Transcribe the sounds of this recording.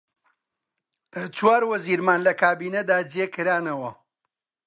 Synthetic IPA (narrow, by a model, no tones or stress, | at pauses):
t͡ʃwaːɾwɐziːɾmaːnlɐkʰaːbiːnɐd̪aːd͡ʒjekɨɾaːnɐwɐ